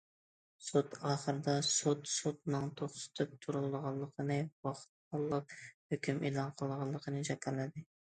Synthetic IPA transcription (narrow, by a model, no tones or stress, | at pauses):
sut̪ɑːχəɾɨd̪ɑsut̪sut̪̚nɨŋt̪ʰoχsɪ̥t̪ʰyp̚t̪ʰuɾulˠəʁɑlˠːəqʰənɨwɑχt̪̚ɑlˠːɑp̚høkʲymʔelˠɑnqʰəlˠʁɑlˠːəqʰənɨd͡ʒɛkʲɑɾlɪd̪ɪ